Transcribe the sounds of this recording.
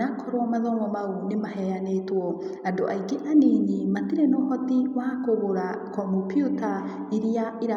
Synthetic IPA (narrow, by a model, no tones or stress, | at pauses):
akʰɔɾwamaðɔmɔmaonemaɦɛanetwɔadoʔaikeʔaneɲimatiɾɛnɔhɔtiwakoβoɾakɔmopjota | iɾiaiɾa